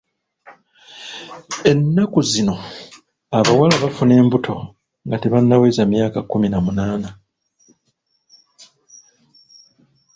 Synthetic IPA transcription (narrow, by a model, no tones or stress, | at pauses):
e̞nːakuzino̞ | aβawalaβafune̞ːmbutʰo̞ | ŋɡateβanːawezamjaːkakːuminamunaːna